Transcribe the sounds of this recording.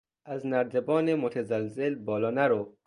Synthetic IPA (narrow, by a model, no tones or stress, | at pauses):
ʔæznæɾd̪ebɒːnemot̪ʰæzælzelbɒːlɒːnæɾo